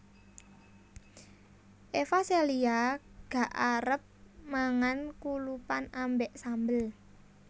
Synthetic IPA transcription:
ʔefaseliaɡ̥ä̤ʔaɾəp̚maŋankulupanambɛʔsambəl

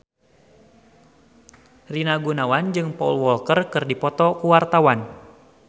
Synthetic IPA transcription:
rinaɡunawand͡ʒɨŋpɔulwɔlkərkɨrdipɔt̪ɔkuwart̪awan

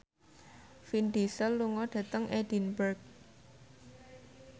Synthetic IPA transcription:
finɖ̪isəlːuŋɔɖ̥ä̤t̪əŋʔɛd̥i̤nbərk̚

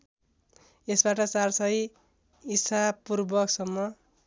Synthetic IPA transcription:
esbaʈʌt͡sarsʌj | isapurbʌksʌmːʌ

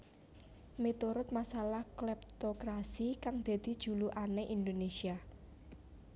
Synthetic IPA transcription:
met̪uɾʊt̪̚masalahklɛp̚t̪okɾasikaŋd̪̥a̤d̪̥i̤d̥ʒ̥ṳluʔaneʔind̪onesia

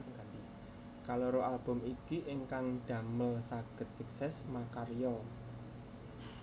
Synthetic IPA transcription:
ŋɡat̪i | kaloɾoʔalb̥ʊ̤mikiʔɪŋkaŋd̪̥ä̤məlsaɡ̥ə̤t̪̚suk̚sɛsmakarjɔ

